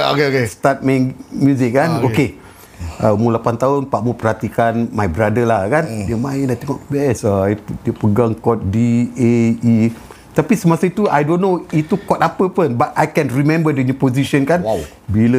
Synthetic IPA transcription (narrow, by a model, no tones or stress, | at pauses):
okeokest̪at̪̚mɛ̃ŋmjuzɪk̚kːanoke | əumulapant̪aʊnpaʔmupəɾhat̪ikanmajbɾadəlahkandiəmaɪnat̪eŋɔʔbɛsait̪udiəpəɡaŋkɔt̪̚diei | t̪apisəmasait̪uajdonːoit̪ukɔtapəpənbat̪̚ʔajkɛ̃nrimɛ̃mbədənupoziʃənkan | bilə